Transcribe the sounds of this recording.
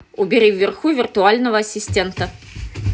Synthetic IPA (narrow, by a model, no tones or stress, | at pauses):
ubʲɛɾiwːʲɛrxuvʲirt̪ualʲnɐvɐɐsʲisʲt̪ʲɛnt̪ɐ